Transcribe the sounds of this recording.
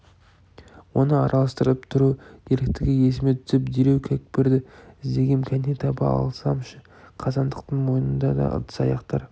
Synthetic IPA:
wo̞nəɑɾʔɑlˠɑst̪əɾəpt̪ʰʊɾud̪̥eɾk̚t̪ɪɡʲɪje̞s̬ɪme̞t̪ʰʏ̥zɪpd̪eɾe̞wkʲʰækpeɾd̪ɪɪzd̪e̞ɡʲe̞mkʲʰænet̪ʰɑbɑ̰ɑ̰lˠsɑmʃə | qʰɑzɑnd̪əqt̪əɴmo̞jənənd̪ɑ̰d̪ɑ̰ʔə̰t̪ə̥sɑjɑqt̪ɑɾ

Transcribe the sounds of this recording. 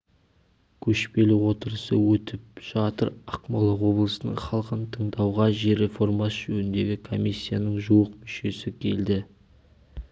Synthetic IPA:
kʲʰɵʃpe̞lɪwo̞t̪əɾəsəwɵt̪ɪp̚ʒ̥ɑt̪əɾɑqmolˠɑwo̞blˠəsənə̰ɴχɑlˠqənt̪ʰəɴd̪ɑwʁɑʒe̞ɾe̞fo̞rmɑsʒɵnɪnd̪e̞ɡʲɪkʰo̞mʲisʲːijanəɴʒuwəqmʏʃe̞sɪkʲʰe̞ld̪ɪ

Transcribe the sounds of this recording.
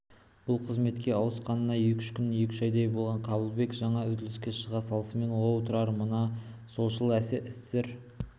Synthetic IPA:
b̥ʊlˠqʰəzme̞t̪kʲe̞ɑwəsqɑnəːɑje̞kʲʏ̥ʃkʲʰʏnje̞kʲɪ̥ʃɑjd̪ejbolˠʁɑɴqʰɑbəlˠbe̞kʒɑɴɑʏzd̪ɪlɪskʲe̞ʃəʁɑsɑlˠəsəme̞nwolˠʊt̪ʊɾɑɾmənɑso̞lˠʃəlˠæsɪʔɪsseɾ

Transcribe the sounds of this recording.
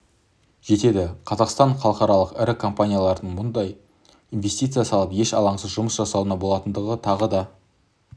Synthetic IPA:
ʒ̥e̞t̪e̞d̪ɪqʰɑzɑqst̪ɑɴχɑlˠəqɑɾɑlˠəqɪɾɪkʰo̞mpanʲijalˠɑɾd̪əɴmʊnd̪ɑj | inve̞st̪ijt̪sɨjasɑlˠəpje̞ʃɑlˠɑɴsəzʒʊməsʒɑsɑwənɑbolˠɑt̪ənd̪əʁət̪ʰɑʁəd̪ɑ

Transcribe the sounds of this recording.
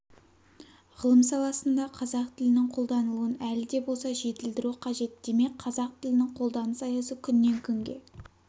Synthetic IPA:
ʁəlˠəmsɑlˠɑsənd̪ɑqʰɑzɑq̚t̪ʰɪlɪnɪŋqʰo̞lˠd̪ɑnəlˠuənælɪd̪e̞bo̞lˠsɑʒe̞t̪ɪld̪ɪɾuqʰɑʒe̞t̪̚d̪̥e̞me̞k̚ʲqʰɑzɑq̚t̪ʰɪlɪnɪŋqʰo̞lˠd̪ɑnəsɑjɑsəkʲʰʏnːe̞ŋkʲʰɵŋɡʲe̞̰

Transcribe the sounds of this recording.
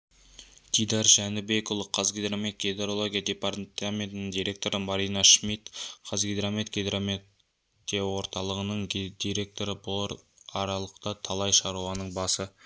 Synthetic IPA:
t̪ʰijd̪ɑɾʒænɪbe̞kolˠəqʰɑzɡʲed̪ɾame̞t̪̚ɡʲed̪eɾo̞lˠo̞ɡʲijad̪e̞part̪amʲe̞nt̪ɪnɪŋd̪ijɾʲe̞k̚t̪o̞ɾəmɑɾijnɑʃmit̪qʰɑzɡʲed̪ɾame̞t̪ɡʲed̪ɾame | d̪ijɑwo̞ɾt̪ɑlˠəʁənəɴd̪̥iɾʲe̞k̚t̪o̞ɾəbʊlˠɾɑɾɑlˠəqt̪ɑt̪ʰɑlˠɑjʃɑɾuwɑnəɴbɑsə

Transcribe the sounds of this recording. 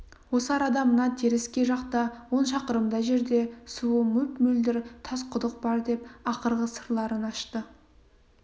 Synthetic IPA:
wo̞səɑɾɑd̪ɑmənɑt̪ʰeɾɪskʲe̞ʒɑqt̪ɑwo̞nʃɑqəɾəmd̪ɑʒe̞ɾd̪e̞suəmɵpmʏld̪ɪɾt̪ʰɑsqʰʊd̪əq̚bɑɾd̪e̞pɑqəɾʁəsəɾlˠɑɾənɑʃt̪ə

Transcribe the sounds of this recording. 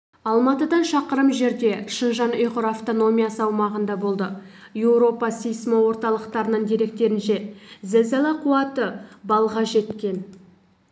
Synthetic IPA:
ɑlˠmɑt̪əd̪ɑnʃɑqəɾəmʒe̞ɾd̪e̞ʃənʒɑnojqʊɾaft̪o̞no̞mʲijasəɑwmɑʁənd̪ɑbo̞lˠd̪ə | jewɾo̞pɑsijsmowo̞ɾt̪ɑlˠəqt̪ɑɾənəɴd̪eɾe̞k̚t̪e̞ɾɪnʃe̞zezelˠɑqʰuɑt̪əbɑlˠʁɑʒe̞t̪kʲe̞n

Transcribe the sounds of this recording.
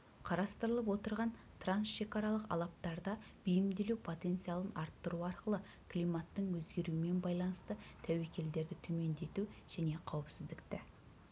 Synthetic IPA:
qʰɑɾɑst̪əɾəlˠəp̬wo̞t̪əɾʁɑn | t̪ʰransʃe̞kɑɾɑlˠəqɑ̰lˠɑp̚t̪ɑɾd̪ɑ | b̥ijɪmd̪e̞luwpʰo̞t̪e̞nt̪sijalˠənʔɑɾt̪ːəɾuɑɾqəlˠə | kʰlijmat̪ːəɴwɵzɡʲe̞ɾuɪme̞nbɑjlˠɑnəst̪ət̪ʰæwe̞kʲe̞ld̪e̞ɾd̪ɪt̪ʰɵme̞nd̪e̞t̪uʒ̥æne̞qʰɑwəpsɪzd̪ɪkt̪ɪ

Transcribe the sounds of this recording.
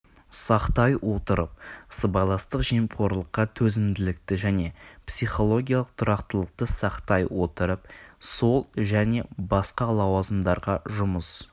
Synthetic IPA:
sɑqt̪ɑjwo̞t̪əɾəp̚əsəbɑjlˠɑst̪əqʒiemqʰo̞ɾlˠəqːɑt̪ʰɵzɪnd̪ɪlɪkt̪ɪʒæne̞psijχo̞lˠo̞ɡʲijalˠəq̚t̪ʰʊɾɑqt̪əlˠəq̚t̪əsɑqt̪ɑjwo̞t̪əɾəpso̞lˠʒæne̞bɑsqɑlˠɑwɑzəmd̪ɑɾʁɑʒʊməs

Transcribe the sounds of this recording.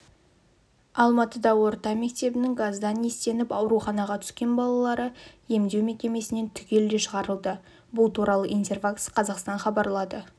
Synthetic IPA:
ɑlˠmɑt̪əd̪ɑwo̞ɾt̪ɑme̞k̚t̪e̞bɪnɪŋɡazd̪ɑnest̪e̞nɪpɑwɾuχɑnɑʁɑt̪ʰʏ̥skʲe̞nbɑlˠɑlˠɑɾəje̞md̪e̞wmekʲe̞me̞sɪne̞nt̪ʰʏkʲe̞ld̪eʃəʁɑɾəlˠd̪ə | bʊlˠt̪ʰuɾɑlˠəʔijnt̪erfakt̪sqʰɑzɑqst̪ɑɴχɑbɑɾlˠɑd̪ə

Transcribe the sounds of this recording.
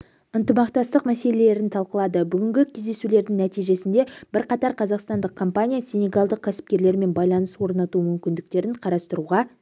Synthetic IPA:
ənt̪əmɑqt̪ɑst̪əqmæse̞le̞le̞ɾɪnt̪ʰɑlˠqəlˠɑd̪əbʏɡʲɪŋɡʲɪkʲʰezd̪e̞sule̞ɾd̪ɪŋnæt̪ijʒe̞sɪnd̪e̞b̥ɪɾqɑt̪ɑɾqʰɑzɑqst̪ɑnd̪əqkʰo̞mpanʲijasʲenʲeɡɑlˠd̪əq̚kʲʰːæsɪ̥p̚kʲe̞ɾle̞ɾme̞nbɑjlˠɑnəswo̞ɾnɑt̪umʏmkʲɪnd̪ɪk̚t̪e̞ɾɪɴqʰɑɾɑst̪əɾuʁɑ

